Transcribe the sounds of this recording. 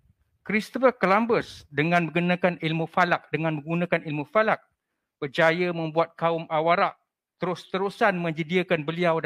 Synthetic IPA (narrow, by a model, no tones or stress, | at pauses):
kɾist̪ɔfərkəlambəsdəŋãnmə̃ɡunãkanilmufalak̚dəŋãnmə̃ŋɡunãkanilmufalak̚ | b̥ərd͡ʒajəmə̃mbuat̪̚kaʊmʔawaɾaʔ | t̪əɾʊst̪əɾusanmə̃ɲd͡ʒədiəkanbəliaw